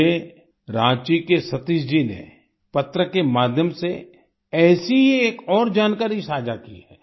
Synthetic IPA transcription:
e | ɾãːt͡ʃikesɐt̪isd͡ʒinḛ | pɐt̪ɾəkemaːd̪ʱjəmse | ɛːsiɦeeːkɔːɾd͡ʒaːnkaːɾisaːd͡ʒakiɦɛː

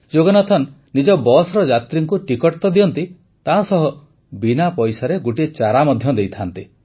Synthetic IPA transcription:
d͡ʒoɡɔnat̪ʰɔn | nid͡ʒɔbɔsɾɔd͡ʒat̪ɾiŋkuʈikɔʈt̪ɔd̪iɔnt̪i | t̪aɦsɔɦɔ | binapɔjsaɾeɡuʈit͡ʃaɾamɔd̪ʱjɔd̪ejt̪ʰant̪i

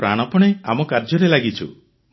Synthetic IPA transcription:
pɾa̰ɽ̃ɔpɔɽ̃eamɔkaɾd͡ʒɔɾelaɡit͡ʃʰṵ

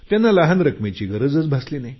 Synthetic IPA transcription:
t̪janːalaɦanɾəkmet͡ɕiːɡəɾəd͡zət͡sbʱasliːnaj

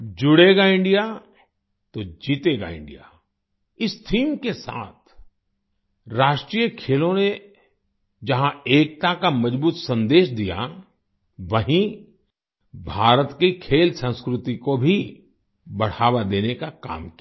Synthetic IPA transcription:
d͡ʒʊɽeːɡaɪ̃ɳɖija | t̪od͡ʒiːt̪eːɡa̰ɪ̰̃ɳɖḭja̰ | ɪst̪ʰiːmkesa̰ːt̪̚ʰ | ɾaːʃʈɾijəkʰeːlõne | d͡ʒɐɦãeːk̚t̪akamɐd͡ʒbuːt̪sɐ̃nd̪eːʃd̪ija̰ | ʋɐɦĩ | bʱaːɾət̪kikʰeːlsə̃nskɾʊt̪ikobʱi | bɐɽ̤aːʋad̪eːnekaka̰ːmkij

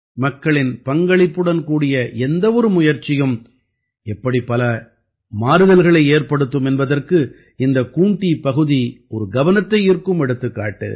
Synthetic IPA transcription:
mɐkːɐɭɪnpɐŋɡɐɭɪpːɯɽɐnkuːɽɪjɐʔɛnd̪ɐʋɔɾɯmʊjɐɾt͡ʃːɪjɯm | ɛpːɐɽipɐlɐ | maːɾɯɣɐlɣɐɭɐɪeːrpɐɽɯt̪ːɯmɛnbɐðɐrkɯ | ɪnd̪ɐkuːɳʈipɐɣɯðiɔɾɯɡɐʋɐnɐt̪ːɐɪɪɾkːɯmɛɽɯt̪ːɯkːa̰ːʈːɯ̰

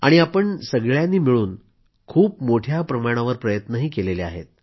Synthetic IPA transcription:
a̰ɽ̃iapəɳsəɡɭjanːiːmiɭuːn | kʰuːpmoʈʰjapɾəmaɽ̃aʋəɾpɾəjət̪nəɦiːkelelea̰ɦḛt̪̚

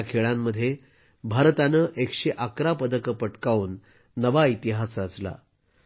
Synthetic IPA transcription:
kʰeɭamːəd̪ʱːje | bʱaɾt̪anəːʔekɕeʔakɾapəd̪əkəpəʈkauːnː | əʋait̪iɦasɾat͡sla̰

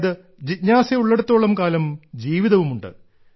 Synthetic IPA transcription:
ðɨ | d͡ʑitɲaːseuɭːe̞ɽut̪ːo̞ːɭɐmkaːlɐmd͡ʑiːʋiðɐʋumuɳɖɨ̰

